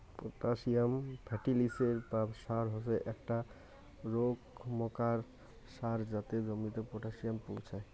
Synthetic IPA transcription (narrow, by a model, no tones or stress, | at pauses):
po̰ʈaʃijambʰʱɛʈiliseɾpaʃaɾɦoseʔɛkʈa | ɾoɡmɔkaɾ | ʃaɾd͡ʑat̪ed͡ʑomit̪epoʈaʃijampowt͡ɕʰae